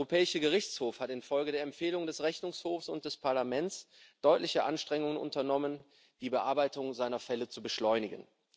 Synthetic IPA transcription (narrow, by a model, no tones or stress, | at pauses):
ʁopʰɛːɪʃəɡəʁɪçt͡shoːfhatɪnfɔlɡədeːɐɛmfeːlʊŋdɛsʁɛçnʊŋshoːfsʊ̰nt̚d̥ɛspʰaɐlamɛntt͡s | d̥ɔʏtlɪçəʔanʃtʁ̥ɛŋʊŋənʔʊ̰ntɐnɔmən | d̥iːbəʔaɐbaɪtʊŋzaɪnɐfɛlət͡subəʃlɔʏnɪɡən